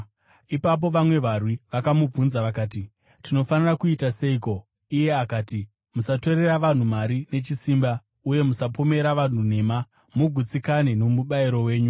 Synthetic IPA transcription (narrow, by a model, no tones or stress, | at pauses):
ipap̬o̞ʋamwe̞ʋarwiʋakamub͡vunzaʋakaːti | tino̞fanirakuitase̞iko̞ | ije̞akaːti | musato̞ɾe̞raʋan̤umaɾine̞t͡ʃisiːmba | uje̞musapo̞me̞ɾaʋan̤une̞ːma | muɡʱut͡sikaneno̞muɓaiɾo̞we̞ːɲu